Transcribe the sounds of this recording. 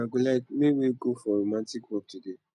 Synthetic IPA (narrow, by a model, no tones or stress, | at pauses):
ãɡolatmeweɡofɔɾomãtikwɔp̚tude